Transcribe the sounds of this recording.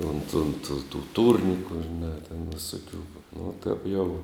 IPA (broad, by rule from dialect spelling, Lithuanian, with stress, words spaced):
ʊnt ʊnt tʊ tuː ˈtuːrʲnʲɪkʊ ʒʲɪˈnɑː tʲɛn ʋʲɪˈsoːkʲʊ nʊ tɐp jɛʊ